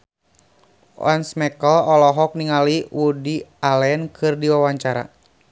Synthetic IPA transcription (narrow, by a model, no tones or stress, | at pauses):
wa̰nsmɛkəlɔlɔɦɔk̚niŋaliwudialɛnkʰɨrdiwawaɲt͡ʃaɾa̰